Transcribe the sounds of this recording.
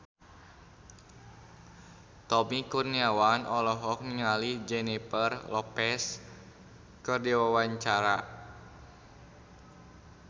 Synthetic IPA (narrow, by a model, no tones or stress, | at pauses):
t̪ɔmikurniawanʔɔlɔɦɔk̚niŋalid͡ʒɛnipərlɔpɛs | kərdiwawaɲt͡ʃaɾa